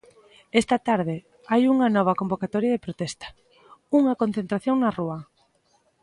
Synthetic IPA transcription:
est̪ɐt̪aɾðɪ | ajuŋɐnɔβ̞ɐkombokat̪ɔɾjɐðepɾot̪ɛst̪ɐ̥ | uŋɐkon̟θent̪ɾaθjoŋnɐruɐ

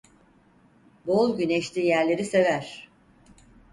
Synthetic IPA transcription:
bolˠɟyneʃlʲiːjæɾlʲe̞ɾise̞væɾ̥

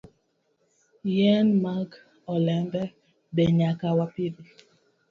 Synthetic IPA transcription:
jɛnmaɡ | ɔlɛmbɛ | bɛɲakawapibi

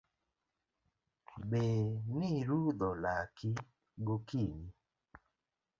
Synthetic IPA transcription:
beniɾud̪ɔlaki | ɡokini

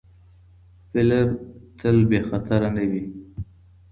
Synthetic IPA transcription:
fɪlɪbt̪ʰəlbexat̪aɾanawi

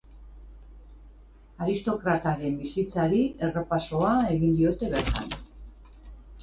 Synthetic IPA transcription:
aɾist̪o̞kɾat̪aɾe̞mbisit͡saɾie̞repaso̞ae̞ɣind̪io̞t̪e̞βe̞ɾt̪a̰n

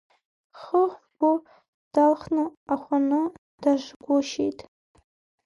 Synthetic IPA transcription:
χəχʷbʊ | d̥alχnɨaχʷʊnɨ | d̥aʒʷɡʷʊʃḛjtʼ

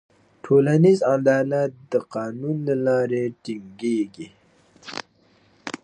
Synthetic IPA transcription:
ʈʰoːlanizand̪ɑːlad̪əqɑːnunlalɑːɾeʈiŋɡeɡi

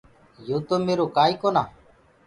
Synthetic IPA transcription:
juːt̪omːeɾuːkaːjkona

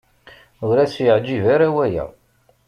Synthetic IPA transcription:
ʊɾæsjəʕd͡ʒivaɾawæjæ̰

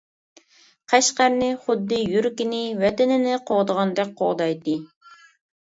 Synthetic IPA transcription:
qʰæʃqæɾnɪχʊd̪ːɨjyɾkʲɪnɪwɛt̪ɪnɪnɪqʰoʁd̪əʁɑnd̪ɛk̚ʲqʰoʁd̪ɑjt̪ɨ

